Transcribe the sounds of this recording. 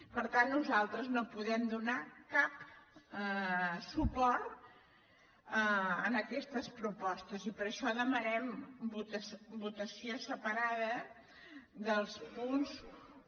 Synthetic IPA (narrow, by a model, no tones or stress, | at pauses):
pəɾt̪anːuzalˠt̪ɾəznopuðɛmd̪unakap | supɔɾt̪ | ənəkɛst̪əspɾupɔst̪əzipəɾəʃɔðəmənɛmbut̪əsbut̪əsiosəpəɾaðə | ðəlˠspuns